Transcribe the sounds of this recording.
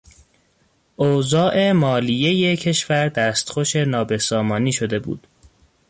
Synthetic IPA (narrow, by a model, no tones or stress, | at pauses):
ʔozɒːʔe̞mɒːlije̞je̞cʰe̞ʃvæɾd̪æːst̪xoʃe̞nɒːbe̞sɒːmɒːniːʃo̞d̪e̞bṵːd̪̥